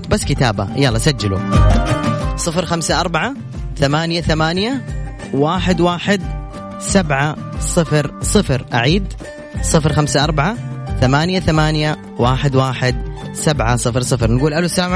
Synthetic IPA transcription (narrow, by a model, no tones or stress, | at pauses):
basːkɪt̪a̰ːba̰jalˤːɑsad͡ʒːalṵ | sˤɨfɾxamsaʔɑɾˤbaʕa | θamaːnjaθamaːnja | waːħɪd̪waːħɪd̪ | sabʕasˤɨfɾsˤɨfɾʔa̰ʕiːd̪ | sˤɨfɾxamsaʔɑɾˤbaʕaθamaːnjaθamaːnja | waːħɪd̪waːħɪd̪sabʕasˤɨfɾsˤɨfɾnɡuːlʔalusːaaːm